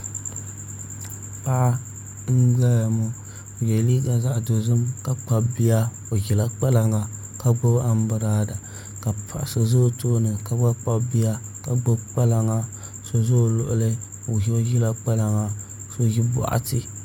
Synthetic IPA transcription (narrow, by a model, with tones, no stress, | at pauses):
pa˦ʔa˦ | ŋ̩˦ɡ͡ba˦ja˨mu˦˨ | jɛ˨li˦ɡa˨za˨ʔdo˨zɨ˦mka˦k͡pa˦bi˦a˦ | o˨ɣi˨la˦k͡pa˦la˨ŋa˨ | ka˦ɡ͡bo˦ba˦m˦bɨ˨ɾaː˦da˨ | ka˨pʰa̰˨ʔsɨ˨zo˦toː˦nɨ˨ka˦ɡ͡ba˦k͡pa˦bi˦a˦ka˨ɡ͡bo˦bk͡pa˦la˨ŋa˨ | so˦zo˦˨lʊ˨ʔʊ˦lɨ˦ | o˨ji˦o˦ji˦la˦k͡pa˦la˨ŋa˨ | so˦ji˦ba̰˨ʔa̰˦tɨ˨